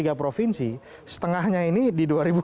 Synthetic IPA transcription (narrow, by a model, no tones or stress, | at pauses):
iɡapɾofinsi | sə̥t̪əŋahɲainididuaɾibu